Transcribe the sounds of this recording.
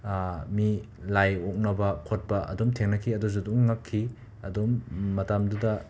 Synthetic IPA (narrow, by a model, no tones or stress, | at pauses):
mi | lajok̚nɐbɐkʰot̚pɐʔɐ̰dumtʰeŋnɐkʰiɐduzuduŋːakʰːi | ɐdumːɐtamdudɐ